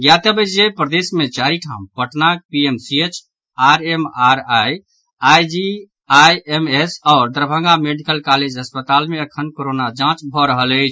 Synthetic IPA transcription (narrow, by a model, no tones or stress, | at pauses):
jat̪əbət͡ʃʰd͡ʒepɾəd̪esmet͡ʃaɾiʈʰa̰mpəʈnak̚piemsiet͡ʃ | aɾemaɾaj | ajd͡ʒi | ajemesɔʊɾd̪əɾbʱə̃ŋɡameɖikəlkaled͡ʒɦəspət̪almeəkʰənkoɾonad͡ʒãt͡ʃbʱɔɾəɦələɪt͡ʃʰ